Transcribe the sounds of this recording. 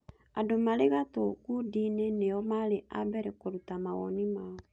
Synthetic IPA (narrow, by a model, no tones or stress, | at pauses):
adomaɾeɣatɔkudineneɔmaleʔabɛɾɛkoɾutamaɣɔ̰nimaɔ